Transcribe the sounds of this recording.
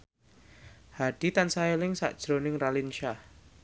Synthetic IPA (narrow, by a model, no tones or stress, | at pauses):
haɖ̥i̤t̪ansaelɪŋsa̰ʔd̥ʒ̥ɾonɪŋralinʃa